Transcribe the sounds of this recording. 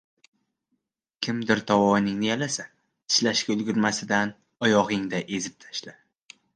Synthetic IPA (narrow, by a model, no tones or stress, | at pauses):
kʲʰɪmd̪ɪɾt̪ʰɒwɒnɪŋnɪjalasa | ɪ̥ʃlaʃkʲaʊlɡʲɪɾmasɪd̪an | ɒjɒʁɪŋd̪aʔe̞zɪp̚t̪ʰḁʃla